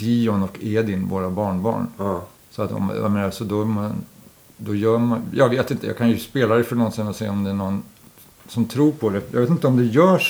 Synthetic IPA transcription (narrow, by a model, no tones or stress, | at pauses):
d̪iɔnɔkeːd̪ɪnvo̰ːɾabɑːɳbɑ̰ːɳ | sɔat̪ɔ̰ma̰meːnaɾsɔd̪ɔman | d̪ɔjœːmajʔɑ̰ːɡveːt̪ɪnt̪əjɑ̰ɡkʰanjɵspeːlaɾɛfœɳɔnsɪnɔseːɔmd̪ɛæɳɔn | sɔmt̪ʰɾuːɾpʰɔd̪ɛjɑ̰ɡveːt̪ɪnt̪əɔmd̪ɛjœːʂ